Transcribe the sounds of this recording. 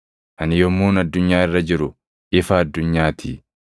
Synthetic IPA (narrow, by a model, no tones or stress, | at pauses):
ʔɐnɪjɔmːuːnɐd̪ːʊɲːaːɪrːɐd͡ʒɪɾʊ | ʔɪfɐːd̪ːʊɲːaːt̪ʰi